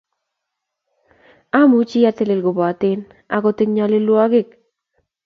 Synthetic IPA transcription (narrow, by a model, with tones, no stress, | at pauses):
a˦mu˨˦t͡ʃɪ˦ja˦te˦le˨lɡo˨bɔ˨a˨tɪ˦n | a̰˦kɔ˦tɪ˦kɲa˦lɪ˦lwa˦ɡɪ˦˨k̚